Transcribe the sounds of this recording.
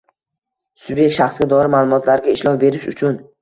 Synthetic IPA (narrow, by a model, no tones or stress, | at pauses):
sʊbjek̚t̪ʃaχsɡʲad̪ɒɾɪmaːlˠʊmɒt̪ʰlaɾɡʲaɪʃlˠɒfbe̞ɾɪʃʊt͡ʃʰʊn